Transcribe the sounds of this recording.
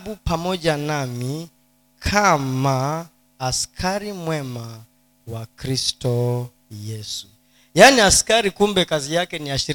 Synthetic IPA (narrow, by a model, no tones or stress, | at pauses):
ɓupamɔʄanami | kʰamaː | skʰaɾimwɛma | wakɾistɔ | jɛsu | janiaskaɾikumbɛkazijakɛniaʃiɾ